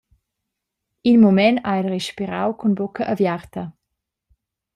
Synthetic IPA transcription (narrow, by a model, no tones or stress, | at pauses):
inmomɛnaɛlrɛʃpiɾawkʰunbokɐʔavjartɐ